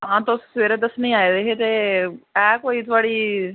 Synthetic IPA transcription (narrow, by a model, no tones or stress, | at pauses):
ãːt̪osʋeɾed̪əsnɐɦĩaːjed̪eɦet̪eɛːkoːit̪ʰʋaɽiː